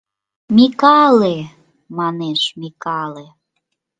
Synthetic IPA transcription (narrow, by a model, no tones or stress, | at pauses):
mikɑle | mɑneʃmikɑle